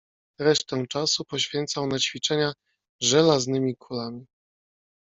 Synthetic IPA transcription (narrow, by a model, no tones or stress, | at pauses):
ɾɛʂt̪ɛt͡ʂasupɔɕfʲjɛnt̪sawnat͡ɕfʲit͡ʂɛɲa | ʐɛlaznɘmʲikʰulamʲi